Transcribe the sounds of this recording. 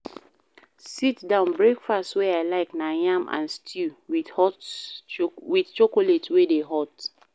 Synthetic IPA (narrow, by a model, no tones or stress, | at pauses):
sitdãʊ̃nbɹekfastweaɪlaɪknajãmʔã̰nstʰiwihɔt | wiθt͡ʃokoletwedeɦɔt